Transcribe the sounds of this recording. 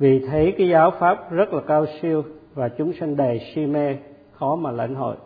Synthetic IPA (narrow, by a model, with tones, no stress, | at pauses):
vi˨˩t̪ʰe˨˦jkaː˨˦jzaː˨˦wfaː˦˥p̚zə˦˥t̚laː˨˩kaː˧wsi˧əwvaː˨˩t͡ɕʊ˨˦ŋ͡msa˧ŋ̟ɗa˨˩jsi˧mɛ˧ | xɔ˨˦maː˨˩la̰˧˩jŋ̟ɦo̰˧˨j